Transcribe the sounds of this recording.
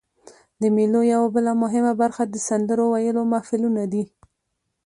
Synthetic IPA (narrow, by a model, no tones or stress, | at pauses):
d̪əmelojawabəlamʊɦɪmabaɾxad̪əsand̪əɾowajəlomafɪlunad̪i